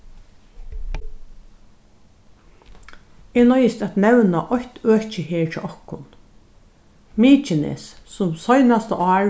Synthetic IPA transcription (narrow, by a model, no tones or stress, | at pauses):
eːnɔjɪst̪æt̪nɛwnaʔɔçt̪øːht͡ʃɪheːɹt͡ʃʰɪ̰ʔɔhkʊn | miːt͡ʃɪnḛːssʊmsɔjnast̪əʔɑː